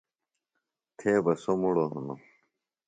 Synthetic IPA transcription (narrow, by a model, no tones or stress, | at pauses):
t̪ʰeːbɐsomuɽoɦṵno